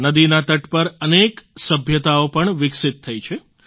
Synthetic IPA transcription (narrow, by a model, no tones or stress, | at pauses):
nəd̪inat̪əʈpəɾəneksəbʱjət̪aopəɳʋɪksɪt̪ʰːəit͡ʃʰe